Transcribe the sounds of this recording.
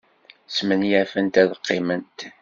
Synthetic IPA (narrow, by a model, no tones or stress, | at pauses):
smənjæfənt̪æðəqːɪmənt̪